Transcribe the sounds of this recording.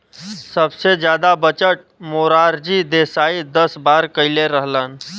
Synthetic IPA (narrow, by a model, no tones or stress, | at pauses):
səbsed͡ʑjad̪abət͡ʃəʈ̚moɾaɾd͡ʑiːd̪esaid̪əsbaɾkəjleɾəɦlan